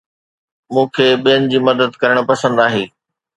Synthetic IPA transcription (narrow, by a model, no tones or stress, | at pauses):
mũːkʰeːɓijənɪ̆d͡ʑiːmɐd̪əd̪kɐɾəɽ̃pɐsə̃nd̪aːɦeː